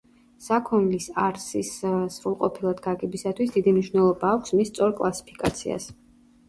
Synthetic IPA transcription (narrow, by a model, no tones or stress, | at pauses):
sakʰɔnlisaɾsisz̥ɾulˠqʼɔpʰilˠad̪ɡaɡɛbisat̪ʰwisd̪id̪imniʃwnɛlˠɔbaːkʷʰsmist̪sʼɔɾkʼlˠasi̥pʰi̥kʼa̰t̪sʰḭa̰s